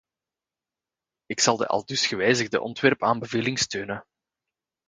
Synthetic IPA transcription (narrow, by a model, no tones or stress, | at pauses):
ɪksɑlˠdə̰ʔɑ̰lˠdʏsxəʋɛːjzəɣdə̰ʔɔ̰ntʋɛrpaːnbəveːlɪŋstøːnə